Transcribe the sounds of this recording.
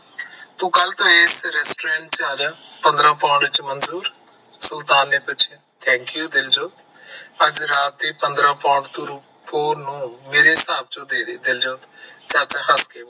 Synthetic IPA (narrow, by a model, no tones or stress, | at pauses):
t̪ũːkəlt̪õːeːsɾɛːsʈɾẽːɳʈt͡ʃad͡ʒaːpənd̪ɾãːpãːɳɖt͡ʃmənzuːɾ | sʊlt̪aːnːeːpʊt͡ʃʰe | t̪ʰɛ̃ːŋkjuːd̪ɪld͡ʒoːt̪ | əd͡ʒɾaːt̪eːpənd̪ɾãːpãːɳɖt̪ũːɾu | pʰoːɾnũːmeːɾeːsaːb̚d͡ʒõːd̪eːd̪eːd̪ɪld͡ʒoːt̪t͡ʃaːt͡ʃːhəskeːmː